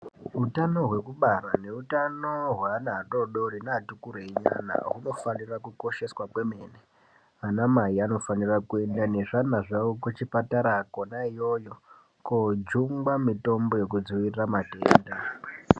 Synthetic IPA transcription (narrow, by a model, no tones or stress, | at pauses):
ɦutano̞ɦwe̞kuɓarane̞utanoɦwanato̞ɗo̞rinatukuɾeɲa̰na̰ɦuno̞fanirakukoʃe̞swakwe̞me̞ːne | anamaiano̞fanirakue̞ndane̞ʐanaʐaokut͡ʃipataɾakonaijo̞jo̞ | kod͡ʒuŋɡwamito̞mbo̞je̞kud͡ziʋirramatḛːnda